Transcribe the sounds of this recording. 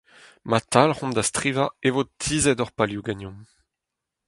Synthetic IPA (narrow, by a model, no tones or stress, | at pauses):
mat̪alhɔ̃md̪ast̪χivaevot̪ʰizɛdɔʁpaljuɡanjɔ̃m